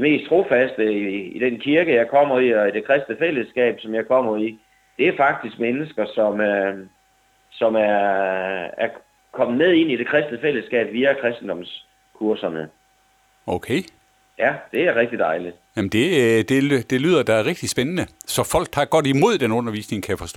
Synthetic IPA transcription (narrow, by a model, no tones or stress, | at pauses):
d̥eme̝̰ːst͡sʰʁo̝fæsd̥əiid̥enkʰiɐɡ̥əjɑ̈ɪkʰɒ̽m̰ɐiɒ̽id̥e̝kʰʁɛsd̥nəfel̰əsɡ̥ɛ̰ːb̥sɒ̽mjɑ̈ɪkʰɒ̽m̰ɐi | d̥e̝æɐfɑ̈ɡ̥̚d̥isɡ̥menəsɡ̥ɐsɒ̽m | sɒ̽mæɐ | æɐ | kʰɒ̽m̰ð̩ˠneð̞ˠe̝n̰id̥e̝kʰʁɛsd̥nəfel̰əsɡ̥ɛ̰ːb̥ʋiːækʰʁɛsd̥n̩d̥ɒ̽ms | kʰuɐsɐnə | oʊkʰe | jæd̥e̝æɐʁɛɡ̥̚d̥id̥ɑ̈ɪlid̥jæmn̩d̥e̝d̥e̝d̥e̝lyːðˠɐd̥ɑ̈æɐʁeɡ̥̚d̥isb̥enənəsɒ̽fɒ̽l̰ɡ̥hɑɡ̥ɒ̽d̥imo̝ð̞̰ˠd̥enɔ̽nɐʋḭːsne̝ŋkʰæjfɒ̽sd̥ɔ̰